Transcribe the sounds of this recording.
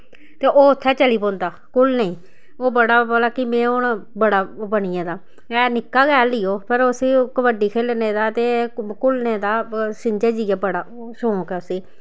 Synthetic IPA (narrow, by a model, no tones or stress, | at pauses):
t̪eːʔoːʊt̪ʰːɛːt͡ʃəliːpõːnd̪aːkʊlnəĩː | oːbəɽaːboːlaːkɪmẽːʊɳbəɽaːbəɳɪjãːd̪aː | ɛːnɪkːaːɡɛːliːjoːpəɾʊsiːkəʋəɖiːkʰeːlneːd̪aːt̪eːkʊlneːd̪aːsɪɲd͡ʒeːd͡ʒiːaːbəɽaː | soõːkɛːʊsiː